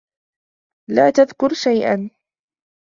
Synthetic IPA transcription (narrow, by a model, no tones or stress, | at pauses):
laːt̪aðkʊɾʃajʔa̰n